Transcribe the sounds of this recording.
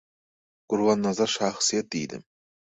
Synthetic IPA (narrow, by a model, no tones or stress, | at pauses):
qʊɾwɑnːɑzɑɾʃaχsijat̪̚d̪ejd̪ɪ̰m